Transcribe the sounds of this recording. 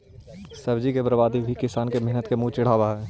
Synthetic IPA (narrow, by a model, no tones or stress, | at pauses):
sɐbd͡ʒikebɾəbaːd̪ʱibʱikɪsaːnkemɛɦnət̪kemũːt͡ʃɪɽ̤aːwaɦɛː